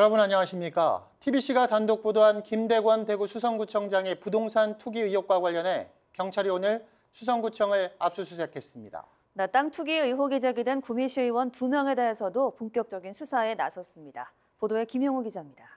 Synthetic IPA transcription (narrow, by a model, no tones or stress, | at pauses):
jʌɾʌbunaɲawaɕʰimɲik͈a̰tʰibiɕ͈ʰiɡatandok̚p͈odoɦankimde̞ɡwʌnte̞ɡusʰusʰʌŋɡut͡ɕʰʌŋd͡ʑaŋe̞pudoŋsʰantʰuɡiɯjok̚k͈waɡwaʎːʌnɦe̞ | kjʌŋt͡ɕʰaɾionɯɭ | sʰus̬ʰʌŋɡut͡ɕʰʌŋɯɭa̰p̚s͈usʰusʰe̞kʰe̞s͈ɯmɲida̰ | net͈aŋtʰuɡiɯɦoɡid͡ʑaɡidwenkumiɕʰiɯwʌntumjʌŋe̞de̞ɦesʰʌdopoŋk͈jʌk̚t͡ɕ͈ʌɡinsʰusʰae̞na̰sʰʌs͈ɯmɲida̰ | podoe̞kimjʌŋuɡid͡ʑamɲida